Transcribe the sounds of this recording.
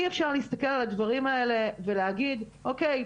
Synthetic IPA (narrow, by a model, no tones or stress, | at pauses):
iefʃaʁliist̪ɐke̞lalad̪vaʁimae̞le̞ve̞leaɡid̪ | ʔokej